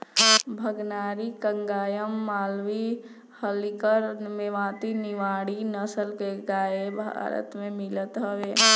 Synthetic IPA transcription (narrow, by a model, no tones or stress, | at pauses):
bʱəɡnaːɾikə̃ŋɡaːjəmːaːlʋi | həlikəɾmeʋãːt̪inɪʋaːɽinəsəlkeɡaːebʱa̰ɾə̰t̪mẽmɪlət̪ɦəʋeː